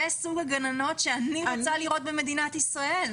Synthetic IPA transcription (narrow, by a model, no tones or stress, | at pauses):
esuɡaɡanano̞t̪ʃeaniat͡saliʁo̞t̪̚bemed̪inat̪isʁael